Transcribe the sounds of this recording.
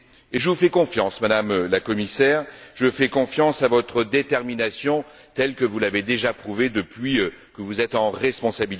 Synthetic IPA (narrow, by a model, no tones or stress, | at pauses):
eʒəvufɛkɔ̃fjɑ̃smad̪amlakɔmisɛːʁʒəfɛkɔ̃fjɑ̃savɔt̪χəd̪et̪ɛʁminasjɔ̃ | t̪ɛlkəvulaved̪eʒapχuved̪əpɥiøkəvuzɛt̪ɑ̃ʁɛspɔ̃sabil